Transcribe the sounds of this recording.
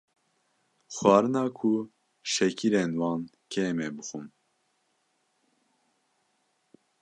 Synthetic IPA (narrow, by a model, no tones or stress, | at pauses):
xwɑːɾɨnɑːkʰu | ʃɛkʰiɾenwɑːn | kʰɛmɛbɨxun